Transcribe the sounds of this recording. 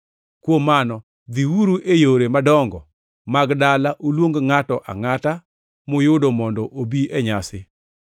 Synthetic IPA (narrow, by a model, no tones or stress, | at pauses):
kwomːanɔ | d̪iwuɾuʔejoɾemadɔŋɡɔ | maɡdalaʔolwoŋɡŋatɔʔa̰ŋata | mʊjʊdomɔndɔʔobiʔeɲasɪ